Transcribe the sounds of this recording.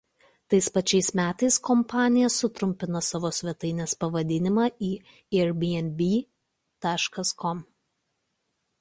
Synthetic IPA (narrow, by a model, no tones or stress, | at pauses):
t̪ɐɪspɐt͡ʃʲɛɪsmʲæːt̪ɐɪskɔmpɑːnʲɪjɛsʊt̪ɾʊmʲpʲɪnɐsɑʋoːsʲʋʲɛt̪ɐɪnʲeːspɐʋɐd̪ʲɪnʲɪmɑːʔiː | ɛɾbʲiɛnʲbʲiː | t̪ɑːʃkɐskɔm